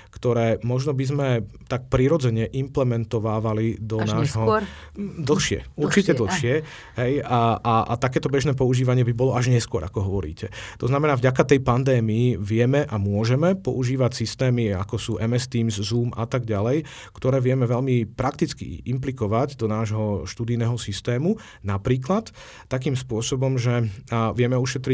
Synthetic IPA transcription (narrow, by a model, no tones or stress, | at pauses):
kt̪ɔɾɛːmɔʒnɔbizmɛt̪ak̚pɾiɾɔd͡zɛɲɛʔimplɛmɛnt̪ɔʋaːʋalid̪ɔnaːʒɦɔ | d̪l̩xʃɪɛ̰uɾt͡ʃicɛd̪l̩xʃɪɛ | ɦɛjaʔaʔa̰t̪akɛːt̪ɔbɛʒnɛːp̬ɔuʒiːʋaɲɪɛbibɔlɔaʒɲɛskʊɔɾʔa̰kɔɦɔʋɔɾḭːcɛt̪ɔznamɛnaːvɟakat̪ɛjpand̪ɛːmijiʋɪɛmɛʔamʊɔʒɛmɛpɔ̰uʒiːʋacsist̪ɛːmia̰kɔsuːʔɛmɛst̪iːmzzuːmat̪aɡɟalɛj | kt̪ɔɾɛːʋɪɛmɛʋɛʎmipɾakt̪it͡skḭʔimplikɔʋaɟd̪ɔnaːʒɦɔʃt̪uːd̪ijnɛːɦɔsist̪ɛːmu | napɾiːk̬lat̪ː | ak̬iːmspʊɔsɔbɔmʒɛʋɪɛmɛuʃɛt̪ɾi